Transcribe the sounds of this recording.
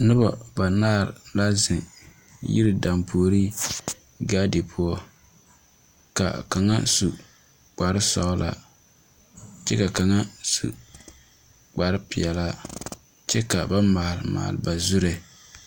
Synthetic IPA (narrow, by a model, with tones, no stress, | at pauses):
nɨ˦ba˨ba˨naː˦˨ɾla˦zɪ˨ | jḭ˦ɾɨ˨da˨mpo˨o˨ɾi˦ | ɡaː˦de˨pʰʊ˦ɔ˦ | ka̰˨ka˨ŋa̰˦su˨ | k͡pa˨ɾɨ˦sɔ̰˦la̰˦ | t͡ʃɛ˦ka˨ka˨ŋa˦sṵ˨ | k͡pa˨ɾɨ˦pɪ˨ɛ˨la˦ | t͡ʃɛ˦ka˨ba˦ma˨hlɨ˨ma̰ː˨lɨ˨ba˨zʊ˦ɾe˨